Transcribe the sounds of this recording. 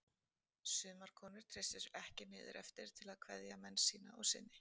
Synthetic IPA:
sʏːmaɾ̥kʰɔːnʏɾ̥t̪ʰɾɪsɪsɛhcɪmɪːðɪ̰ɾʔɛ̰ft̪ɪɾ̥t̪ʰɪlaðkʰvɛðjamɛnːsːiːna̰ɔ̰ɣsɪnːɪ

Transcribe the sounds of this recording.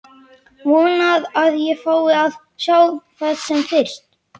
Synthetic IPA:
vɔːnaðaðjɛfaːwɪað | saːwθaːðsɛmfɪr̥st̪

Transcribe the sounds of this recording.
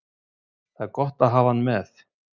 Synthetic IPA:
θaɛɾkɔht̪aðɦaːvanːmɛθ

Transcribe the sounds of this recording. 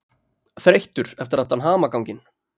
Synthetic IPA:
θɾejht̪ʏɾ̥ɛft̪ɪɾat̪ːanɦaːmakawcɪn

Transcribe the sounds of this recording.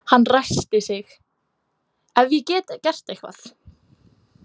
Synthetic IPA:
hanːrajst̪ɪsɪx | ɛvicɛːt̪acɛr̥t̪ejhkva̰θ

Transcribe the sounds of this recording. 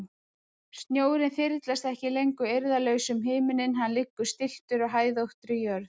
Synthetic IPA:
st̪njoːwɾɪnθfɪɾt̪last̪ɛhcɪlejŋkʏejɾðalœːɥsʏmɦeːjmɪnɪnɦanlɪkːʏ̥st̪ɪl̥t̪ʏɾɔɣɦaːjðowht̪ɾɪjœːɾ

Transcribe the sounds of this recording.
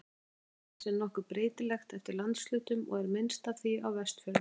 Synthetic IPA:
sɛnɔhkʏɾpɾeːjt̪ɪlɛxt̪ɛft̪ɪɾlant̪slʏːt̪ʏmɔ̰ɣɛɾmɪnst̪aθiawvɛst̪fœː

